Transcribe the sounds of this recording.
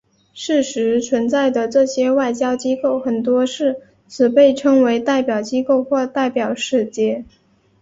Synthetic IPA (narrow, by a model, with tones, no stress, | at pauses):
ʂɻ̩˥˩ʂɻ̩˧˥t͡sʰwə˧˥nt͡sa˥˩ɪd̪ə˩ʈ͡ʂɤ˥˩ɕjɛ˥wa˥˩ɪt͡ɕjɑ˥ʊt͡ɕi˥ko˥˩ʊxə˨˩nt̪wɔ˥ʂɻ̩˥˩ | t͡sʰɹ̩˨˩pe˥˩ɪʈ͡ʂʰɤ˥ŋwe˧˥ɪt̪a˥˩ɪpjɑ˨˩ʊt͡ɕi˥ko˥˧ʊxwɔ˥˧t̪a˥˩ɪpjɑ˨˩ʊʂɻ̩˥˩t͡ɕjɛ˥˩